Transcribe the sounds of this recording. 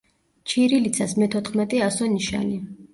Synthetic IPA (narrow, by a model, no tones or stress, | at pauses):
t͡ʃʰiɾilit̪sʰasmɛt̪ʰɔt̪χmɛt̪ʼɛasɔniʃa̰ni